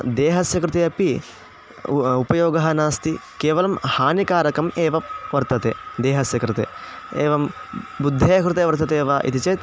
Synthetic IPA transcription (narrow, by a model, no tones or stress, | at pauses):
d̪eːɦɐsjɐkɾɪt̪eːɐpi | upɐjoːɡɐɦɐnaːst̪ikeːʋɐlɐmhaːnikaːɾɐkɐmeːʋɐʋɐɾt̪ɐt̪eːd̪eːɦɐsjɐkɾɪt̪ḛː | eːʋɐm | bud̪ʱːeːɐkɾɪt̪eːʋɐɾt̪ɐt̪eːʋaːʔḭt̪it͡ʃeːt̪